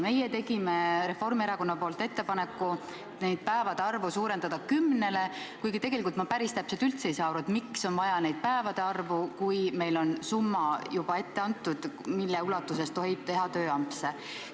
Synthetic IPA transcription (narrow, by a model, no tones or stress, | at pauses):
me̞jet̪e̞ɡime̞ɾe̞fo̞rmieɾɑko̞nːɑpo̞ːlt̪ːˑe̞t̪ːe̞pɑnekːˑu | ne̞jd̪̥̚pæevɑd̪eɑrvusuːɾend̪ɑd̪ɑkymne̞le̞kujɡ̥it̪e̞ɡelikult̪mɑpæɾist̪æpselt̪ylt̪sejsɑːɾut̪mikso̞nvɑjɑne̞jd̪̚pæevɑd̪̥eɑrvukujme̞jlo̞nsumːɑjub̥ɑe̞t̪ːe̞ɑnt̪ːˑud̪̥milːeulɑt̪ːˑuse̞st̪o̞ɦi̥t̪e̞ɦɑt̪øːɑmpse